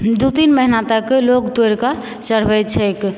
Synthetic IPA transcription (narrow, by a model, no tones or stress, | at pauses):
d̪ut̪inməɦinat̪əklokd̪oeɾka | t͡ʃəɽ̤bɛt̪t͡ʃʰɛk